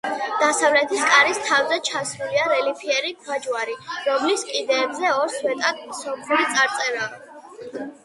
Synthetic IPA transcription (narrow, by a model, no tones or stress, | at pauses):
d̪̥asavlɛt̪ʰiskʼaɾist̪ʰavzɛt͡ʃʰasɾuliaɾɛlipʰiɛɾipʰad͡ʒwaɾiɾɔmliskʼid̪ɛːbzɛɔɾswɛt̪ʼad̪̚msɔpʰuit̪sʼaɾt̪sʼɛɾaː